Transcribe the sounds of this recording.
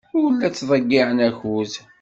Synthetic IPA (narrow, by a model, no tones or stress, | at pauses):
ʊwəlːæt͡sːðˤəɡːiʕənæçuz